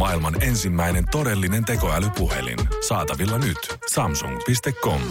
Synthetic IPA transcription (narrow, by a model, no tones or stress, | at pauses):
mɑilmɑne̞nsimːæjne̞nt̪o̞de̞lːine̞nt̪e̞ko̞ælypuɦe̞̰lḭnsɑːt̪ɑʋilːɑnyt̪ | sɑmsṵŋpist̪e̞kːo̞m